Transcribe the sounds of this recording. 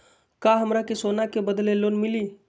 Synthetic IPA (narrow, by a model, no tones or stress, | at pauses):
kaɦəmɾakesonakebəd̪lelonmili